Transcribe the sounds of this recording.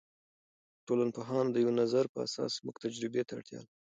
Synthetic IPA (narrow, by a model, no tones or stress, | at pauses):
ʈolanpoɦɑnd̪əjawnazaɾpəa̰sɑ̰smʊkt̪ad͡ʒɾɪbet̪aa̰ɽt̪jɑ̰l